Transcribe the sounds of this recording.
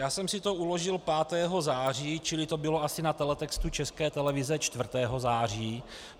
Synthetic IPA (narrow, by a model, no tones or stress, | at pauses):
jaːsɛmsɪt̪o̞ulo̞ʒɪlpaːt̪ɛːɦo̞zaːr̝iːt͡ʃɪlɪt̪o̞bɪlo̞asɪnat̪ɛlɛt̪ɛkst̪ut͡ʃɛskɛːt̪ɛlɛvɪzɛt͡ʃt̪vr̩t̪ɛːɦo̞zaːr̝iː